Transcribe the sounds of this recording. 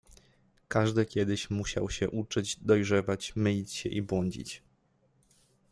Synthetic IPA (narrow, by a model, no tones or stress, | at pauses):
kaʐd̪ɘkʲjɛd̪ɘɕmuɕa̰wɕɛʔut͡ʂɘd͡ʑd̪ɔjʐɛvat͡ɕmɘlʲit͡ɕɕɛ̰ʔibwɔɲd͡ʑḭt͡ɕ